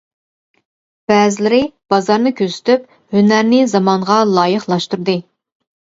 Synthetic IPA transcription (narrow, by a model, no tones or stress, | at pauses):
b̥ɛːzɪlɪɾɪb̥ɑzɑɾnɨkʲʰøzɪ̥t̪yp̚ | hynæɾnɪzɑmɑɴʁɑlˠɑːjɨχlˠɑʃt̪uɾd̪ɨ